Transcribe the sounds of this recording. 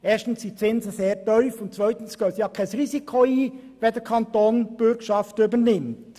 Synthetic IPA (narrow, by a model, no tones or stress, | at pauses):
eːstn̩sdit͡sɪnzəseːɾtœʏfʊnt̚t͡svœʏtən̩sɡ̥œːsjɑːkʰaɪsɾiːzikʰoiː | ʋedɛɾkʰɑntoːnb̥ʏɡʃɑftybənɪmt